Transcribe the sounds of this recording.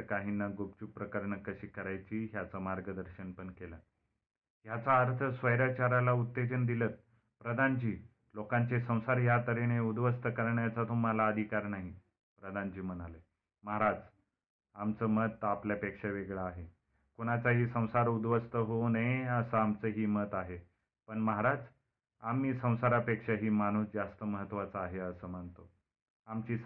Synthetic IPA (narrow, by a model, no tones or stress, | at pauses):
kaɦinːaɡop̚t͡ɕupɾəkəɾɳəkəɕiːkəɾajt͡ɕiːɦjat͡samaɾɡəd̪əɾɕənpəɳkela | ɦjat͡saəɾt̪ʰəsʋəjɾat͡ɕaɾalaut̪ːed͡ʑənd̪ilət̪̚ | pɾəd̪ʱant͡ɕiː | lokãɲt͡sesə̃w̃saɾɦjat̪əɾeneud̪ʋəst̪əkəɾɳjat͡sat̪um̤alaəd̪ʱikaɾnaɦi | pɾəd̪ʱant͡ɕiːmənalə | məɦaɾad͡z | amt͡səːmət̪apljapekʂeʋeɡɭaːɦe | koɽ̃at͡saɦiːsə̃w̃saɾud̪ʋəst̪əɦonəəsəamt͡səɦiːmət̪aɦe | pəɳməɦaɾad͡z | amiːsə̃w̃saɾapekʂaɦiːmañ̤uːsd͡zast̪əməɦət̪ːʋat͡səaɦeəsəːm̤əɳt̪o | amt͡ɕiː